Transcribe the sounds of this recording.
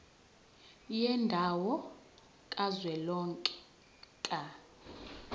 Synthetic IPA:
jɛndʱawɔ | kʼazwɛlɔŋkʼɛ̥ | kʼa

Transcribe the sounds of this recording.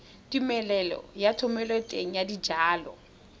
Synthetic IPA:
tʼimɛlɛlɔ̰jatʰʊmɛlɔtʼeŋ̩jadid͡ʒaːlɔ̰

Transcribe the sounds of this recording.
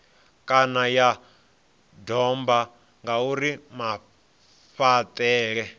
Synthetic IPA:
kʼanaja | dɔmba | ŋɡauɾima | ɸatʼɛːɺɛ

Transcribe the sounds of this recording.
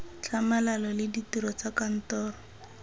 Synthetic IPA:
t͡ɬʰamalalɔlɪditiɾɔt͡sakan̩tɔːrɔ

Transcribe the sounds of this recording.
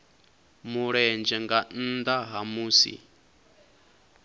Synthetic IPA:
muɺɛnd͡ʒɛŋɡan̩d̪aɦamuːsḭ

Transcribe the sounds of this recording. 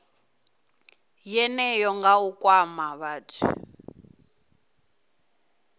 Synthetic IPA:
jɛnɛjɔŋɡaukʼwamaβaːtʰḭ

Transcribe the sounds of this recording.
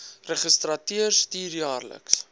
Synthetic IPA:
rəχəstrɐtiərstiːrjɑːrlə̰ks

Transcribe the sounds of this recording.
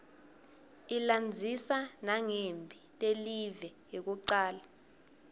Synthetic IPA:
iland͡zʱisanaŋembʱitʼelivɛɦek̬uǀaːla

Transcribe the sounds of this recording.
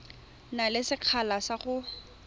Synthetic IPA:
nalɪsɪq͡χʰalasaχʊ

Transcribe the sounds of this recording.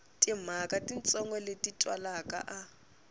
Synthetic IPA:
tʼim̤akʼatʼint͡sʼɔŋɡwɛletʼitʼwa̰lakʼa̰ʔa

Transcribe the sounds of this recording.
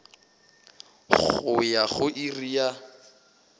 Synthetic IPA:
χʊjaχʊʔirija

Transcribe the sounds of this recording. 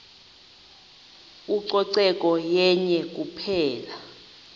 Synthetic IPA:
uǀɔǀɛkʼɔjɛɲɛk̬ʼupʰɛːla

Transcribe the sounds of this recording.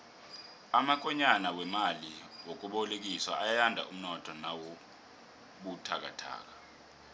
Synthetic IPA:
amak̬ʼɛɲanawɛmaliwok̬ʼuɓɔlek̬iswa̰ʔajjandʱa̰um̩nɔtʰɔnawo | ɓutʰak̬a̰tʰa̰ːk̬a

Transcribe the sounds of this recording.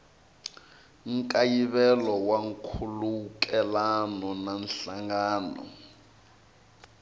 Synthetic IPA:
ŋkʼajiβɛlɔwaŋkʰulukɛlanɔnanɬaŋɡaːnɔ̰

